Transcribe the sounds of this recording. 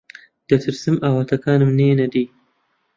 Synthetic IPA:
d̪̥ɐt̪ʰɨɾsɨmaːwat̪ʰɐkaːnɨmneːnɐd̪iː

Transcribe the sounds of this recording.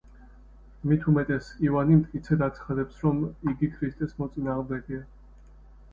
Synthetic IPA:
mit̪ʰumɛt̪ʼɛsivanimt̪ʼkʼit̪sʰɛd̪at̪sʰχad̪ɛpsɾɔmiɡikʰɾist̪ʼɛsmɔt̪sʼinaːʁmd̪ɛɡia

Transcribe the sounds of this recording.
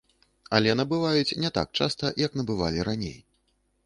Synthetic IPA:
ɐlʲɛnɐbɨvajut͡sʲnʲɛt̪a̰k̚t͡ʂast̪ɐjɐkn̪ɐbɨva̰lʲiɾanʲḛj

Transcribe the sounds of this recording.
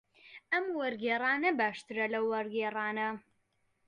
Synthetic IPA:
ɐmwɐɾɡeːrˤaːnɐbaːʃt̪ɨɾɐlɐwːɐɾɡeːraːnɐ

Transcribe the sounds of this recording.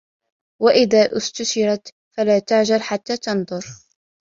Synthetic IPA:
waʔɪðaːʔʊst̪ʊʃɪɾˤɑt̪ | falaːt̪aʕʒalħat̪ːaːt̪ɑnðˤʊɾ

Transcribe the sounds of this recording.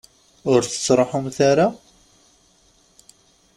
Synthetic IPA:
ʊɾθə̥t͡sːˤɾˤɑħʊmθaɾa

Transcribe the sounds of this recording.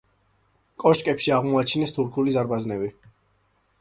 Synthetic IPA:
kʼɔʃkʼɛpʃiaʁmɔat͡ʃʰinɛst̪ʰuɾkʰulizaɾbaznɛbi

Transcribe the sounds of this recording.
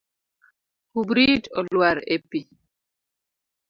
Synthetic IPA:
hubɾidɔlwaɾepi

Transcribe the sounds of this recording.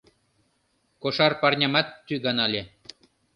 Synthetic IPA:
koʃɑrpɑrnʲɑmɑt̪ːyɡɑnɑlʲe

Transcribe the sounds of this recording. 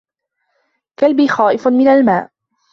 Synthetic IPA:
kalbiːxɑːʔɪfmɪnalmaːʔ

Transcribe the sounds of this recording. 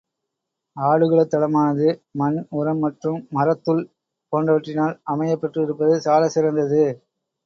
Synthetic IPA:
aːɭɯɣɐɭɐt̪ːɐlɐmaːnɐðɯmɐnʊɾɐmːɐʈrɯmːɐɾɐt̪ːɯl | poːnrɐʋɐʈrɪnaːlɐmɐjɐpːɐʈrɯɪɾɯpːɐðɯsaːlɐsɪɾɐnd̪ɐðɯ

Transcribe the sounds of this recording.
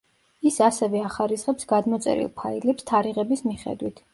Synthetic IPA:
isasɛvɛaχaɾisχɛpsɡad̪mɔt̪sʼɛ̰ɾḭlˠpʰailɛpst̪ʰaɾiʁɛbismiχɛ̰d̪wit̪ʰ

